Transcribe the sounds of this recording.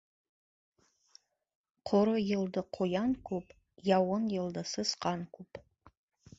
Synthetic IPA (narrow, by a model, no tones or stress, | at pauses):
qʰoɾɨjɪldɨqʰojankʷʰʼupʼ | jawʊnjɪldasɨsqʼankʷʰʼupʼ